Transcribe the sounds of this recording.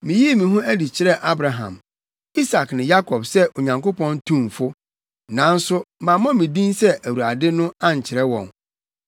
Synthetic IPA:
mĩ˨ji˦˨mĩ˨ɦʊ̃˦æ˦di˨t͡ɕʰɪ˦ɾɛ˦˨ʔa˦bɾa˨ɦã̰˨m | i˦sa˨knɪ̃˨ja˦kʰɔ˨b̥sɛ˦ʔo˨ɲã˨ŋko˦pɔ̃˦ntʰũ˦˨mfʊ˦ | nã˨˦n̩˦sʊ˦mã˨mã˦mĩ˨dĩ˦nsɛ˦ʔæ˨wu˨a˨dɪ˦nʊ̃˦a˦ɲ˨t͡ɕʰɪ˨ɾɛ˦wɔ̰̃˨n

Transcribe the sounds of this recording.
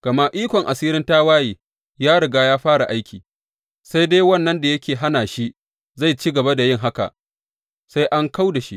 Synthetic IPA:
ɡ̥ɐ˨ma˦ʔiː˦kʷɔ˨ŋʔa˨siː˦ɾɪ˦nta˦waː˦jiː˨ | jaː˦ɽɪ˨ɡaː˦jaː˦ɸaː˦ɽa˨ʔa˦jkʲʰiː˨ | sa˦jde˦jwɐ˦˨nːɐ˦nda˨jɐ˦kʲeː˨ɦa˦naː˨ʃi˦ʔ | za˦˨jt͡ʃiː˦ɡɐ˨ba˦da˨jɪ˦˨ŋɦa˦ka̰˨ʔ | sa˦jʔa˦ŋka˦wda˨ʃḭ˦ʔ

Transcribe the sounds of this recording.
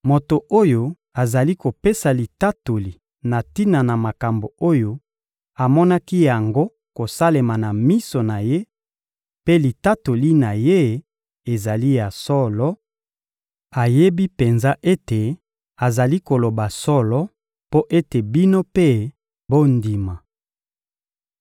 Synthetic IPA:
mo˨to˨o˦jo˨ | a˨za˨li˦ko˨pe˦sa˨li˨ta˦to˨li˨ | na˨ti˦na˨na˨ma˨ka˨mbo˨o˦jo˦ | a˨mɔ˦na˦ki˦ja˨ŋɡo˦ | ko˨sa˦le˨ma˨na˨mi˦so˨na˨je˦ | pe˦li˨ta˦to˨li˦na˨je˦ | e˨za˨li˦ja˨sɔ˦lɔ˦ | a˨je˦bi˦pe˨nza˦ʔe˦te˨ | a˨za˨li˦ko˨lo˨ba˨sɔ˦lɔ˦ | po˦ʔe˦te˨bi˦no˦pe˦ | bo˦ndi˨ma˨

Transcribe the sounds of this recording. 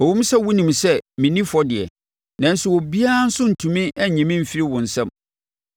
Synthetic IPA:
ɔ˨wũ˦m˦sa˦wʊ˦nĩ˨msɛ˦mĩ˨nĩ˦fɔ˦dɪ˨ɛ̰˨ | nã˨n̩˦sʊ˦wo˨bi˦a˦n̩˦sʊ̃˦n̩˨tʰũ˨mĩ˦ʔɛ˦˨ɲɛ̃˨mĩ˦m̩˨fi˦ɾi˦wʊ̃˨n̩˨sɛ̃˦m

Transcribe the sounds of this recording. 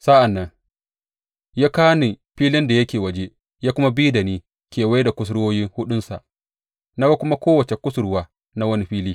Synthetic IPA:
sa˦ʔa˨nːɐ˦ŋ | jaː˦kaː˦ni˨ | ɸiː˦lɪ˦nda˨jɐ˦kʲeː˨wɐ˦d͡ʒe˦ | jaː˦kʷʊ˦ma˦biː˦da˨niː˦ | kʲeː˨wa˦jda˨kʷʊ˦s̬ɽwoː˦jɪ˦ŋhʊ˦ɗʊ˦nsa̰˨ʔ | na˦ɡa˦kʷʊ˦ma˦kʷoː˦wɐ˨t͡ʃe˨kʷʊ˦sʊ˦ɽwaː˦ | na˦wɐ˦ni˦ɸiː˦liː˦

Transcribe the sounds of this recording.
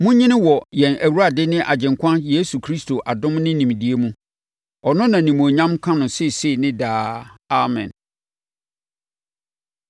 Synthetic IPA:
mʊ̃˦ɲɪ̃˦nɪ̃˦wɔ˨jɛ̃˨næ˨wu˦ɾa˨dɪ˦nɪ̃˦ʔa̰˨d͡ʑɪ̃˨ŋkʰʷã˦nje˦su˨kʰɾi˦stʰo˨ʔa˨dʊ̃˦mnɪ̃˦nĩ˨m˨di˨˦e˦mũ˦ | ɔ˨nʊ̃˦nã˨nĩ˨mũ˨o˨ɲã˦mkʰã˦nʊ̃˨sɛ˦˨se˦˨nɪ̃˦daː˦a˨mɛ̰̃˨n

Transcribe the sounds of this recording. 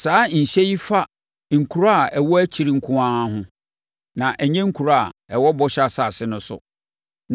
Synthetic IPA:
saː˨˦ɲ̩˨ɕɛ˦ji˦fa˦ | ŋ̩˨kʰu˨ɾa˦a˨ɛ˨wɔ˦æ˦t͡ɕʰi˨ɾi˦ŋ̩˦kʰʊ̃˦ã˦ɦʊ̃˦ | nã˨ʔɛ˨ɲɛ̃˦ŋ̩˦kʰu˨ɾa˦a̰˨ɛ˨wɔ˦bɔ˦ɕa˦sa˨sɪ˦nʊ̃˦sʊ̰˨ | n˨

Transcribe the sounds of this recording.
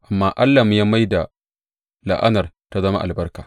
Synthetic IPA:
ʔa˨mːaː˦ʔa˦lːaː˨mʊ˦jaː˦ma˦jda˨ | la̰˨ʔa̰˦nɐ˨r | ta˦zɐ˦ma̰˦ʔa̰˨lbɐ˦rkaː˨

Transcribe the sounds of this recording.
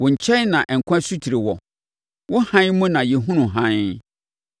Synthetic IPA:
wʊ̃˨ɲ̩˨t͡ɕʰɛ˦nnã˨ʔɛ˨ŋ̩˨kʷʰã˦su˦tʰi˨ɾe˨wɔ˨ | wʔʊ˦hã˦n˦mũ˦nã˨jɛ˨ɦũ˦nũ˨ɦã˦n

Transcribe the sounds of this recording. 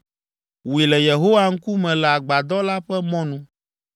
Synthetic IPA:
wi˨lɛ˨je˨ɦo˦wa˦ŋ̩˦ku˦mɛ̃˨lɛ˨a˨ɡ͡ba˨d̪ɔ˦la˦ɸɛ˦mɔ̃˦nũ˦

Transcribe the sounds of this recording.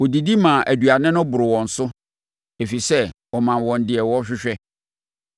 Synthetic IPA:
wɔ˨di˨di˦mãː˨ʔæ˨du˨a˨nɪ̃˦nʊ̃˦bʊ˨ɾɪ˨wɔ̃˨n̩˨sʊ˦ | e˨fi˨sɛ˦wɔ˨mã˨nwɔ̃˨n˨dɪ˨ɛ˨wɔ˦ɕᶣɪ˦ɕᶣɛ˦

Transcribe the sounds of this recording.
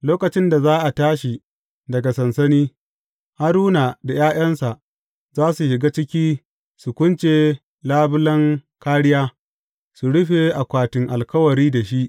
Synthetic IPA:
loː˦kɐ˨t͡ʃɪ˦nda˨zaː˦ʔa˨taː˦ʃi˨ | dɐ˨ɡa˨sɐ˨nsɐ˦niː˦ | ha˦ɾuː˦na˨da˨jaː˦j̰ɐ˦nsa˨ʔ | zaː˦su˨ʃɪ˨ɡaː˦t͡ʃɪ˦kʲiː˦ | su˨kʷʊ˦nt͡ʃeː˨ | laː˦bʊ˦lɐ˦ŋ | kaː˦ɽɪ˦jaː˦ | su˨ɽʊ˦ɸe˨ʔa˨kʷaː˨tɪ˨ŋʔa˨lkɐ˦wɐ˨ɾiː˦da˨ʃi˦ʔ

